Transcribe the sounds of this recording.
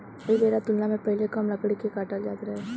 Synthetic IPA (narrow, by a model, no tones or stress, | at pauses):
imeːɾat̪ʊlnamẽpɐɦlekəmlɐɡɽekekaːʈald͡ʒaːt̪ɾɐɦɛː